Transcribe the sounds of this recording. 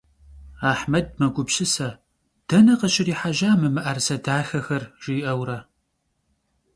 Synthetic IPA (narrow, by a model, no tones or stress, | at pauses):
aːħmɐd̚mɐɡʷʊbɕɨsɐ | d̥ɐnɐqəɕɪriːħaʒaːmɨmɨʔɐrsɐdaːxɐxɐrʒ̥iːʔɐwɾɐ